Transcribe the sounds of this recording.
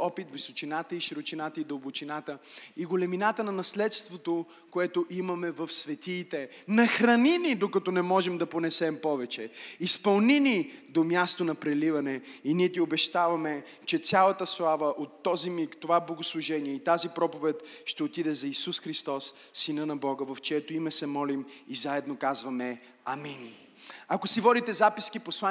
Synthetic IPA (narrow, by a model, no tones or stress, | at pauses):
ɔpit̪visot͡ʃinat̪əiʃɾot͡ʃinat̪əid̪ɐlˠbʊt͡ʃinat̪əiɡolɛminat̪ənɐnɐslɛt̪st̪vot̪o | koɛt̪oʔimɐmɛvɐfsvɛt̪iːt̪ɛ | nɐxɾɐninid̪okɐt̪ɔnɛmɔʒɛmd̪ɐponɛsɛmpɔvɛt͡ʃɛispɐlˠninid̪omʲjast̪onɐpɾɛlivɐnɛiniɛt̪iobɛʃt̪avɐmɛ | t͡ʃɛt̪sʲjalˠɐt̪əslˠavəʔot̪ːɔzimikt̪ovablˠɐɡoslˠuʒɛniɛit̪azipɾɔpovɛt̪ʃt̪ɛot̪id̪ɛzɐisusxɾist̪ɔsː | inənɐbɔɡəvɐft͡ʃɛɛt̪oimɛsɛmɔlimizaɛd̪nokazvɐmɛ | ɐmin | ɐkosivɔd̪it̪ɛzapiskiposlˠa